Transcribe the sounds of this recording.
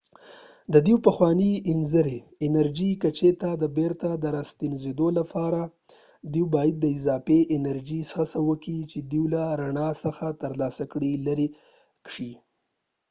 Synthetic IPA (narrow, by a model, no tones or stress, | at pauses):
d̪əd̪iwpəxwɑniɪnzəɾeː | naɾd͡ʒikat͡ʃet̪ad̪əbeɾt̪ad̪əɾast̪inzed̪olapʰɑɾa | d̪iwbɑjad̪̚ːəɪzɑfeʔɪnaɾd͡ʒisxasawəkit͡ʃed̪iwlaɾaɳɑsəxat̪əɾlɑsakɽilaɾi | kʂi